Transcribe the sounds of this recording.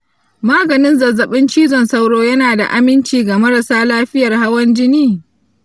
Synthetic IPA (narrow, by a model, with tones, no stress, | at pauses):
maː˦ɡɐ˨nɪ˦nzɐ˨zɐ˨ɓɪ˦nt͡ʃiː˦zɔ˨nsa˦wɽoː˦jɐ˦naː˨da̰˨ʔa˦mɪ˦nt͡ʃiː˨ɡa˨mɐ˦ɾa˨saː˦laː˦ɸɪ˦jɐ˨rɦa˦wɐ˦nd͡ʒɪ˦niː˦